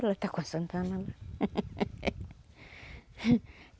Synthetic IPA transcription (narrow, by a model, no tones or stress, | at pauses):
lat̪akʷansant̪anala